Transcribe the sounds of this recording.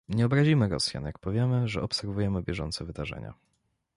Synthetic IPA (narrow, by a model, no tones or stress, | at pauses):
ɲɛɔbɾaʑimɘɾɔ̰sʲja̰njak̚pɔvʲjɛmɘʐɛɔpsɛɾvujɛmɘbʲjɛʐɔ̰nt̪sɛvɘd̪aʐɛ̰ɲa̰